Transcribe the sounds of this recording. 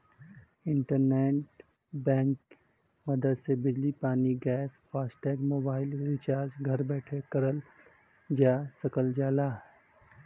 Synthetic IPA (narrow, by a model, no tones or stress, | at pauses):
ɪ̃ɳʈəɾneːʈ | bɛ̃ːŋk | mɐd̪əd̪sebɪd͡ʒlipaːniɡɛːspʰaːsʈɛːɡmoːbaːɪlɾɪt͡ʃaːɾd͡ʒɡʱɐɾbɛːʈʰekɐɾəl | d͡ʒaːsɐkəld͡ʒaːlaː